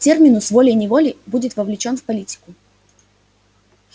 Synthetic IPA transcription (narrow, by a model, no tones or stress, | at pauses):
tʲermʲɪnʊsvo̞lʲɪjnʲɪvo̞lʲɪbudʲɪt̪vəvlʲɪt͡ɕo̞nfpɐlʲitʲɪ̥kʊ